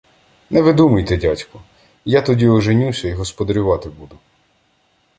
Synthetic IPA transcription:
nɛʋɪd̪umɐjt̪ɛdʲatʲkʊ | jat̪ɔdʲiɔʒenʲusʲɐiɦɔspɔd̪ɐɾʲʊʋɑt̪ɪbud̪ʊ

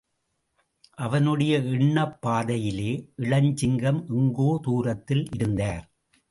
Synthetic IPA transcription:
ʔɐʋɐnɯɽɐjɐɪɳːɐpːaːðɐjɪleːʔɪɭɐɲt͡ʃɪŋɡɐmʔɪŋɡoːt̪uːrɐt̪ːɪlʔɪɾɯnd̪aːɾ

